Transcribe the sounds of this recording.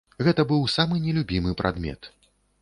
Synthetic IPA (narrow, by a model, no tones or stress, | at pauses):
ɣɛt̪ɐbɨwsamɨnʲɛlʲubʲimɨpɾa̰d̪mʲɛ̰t̪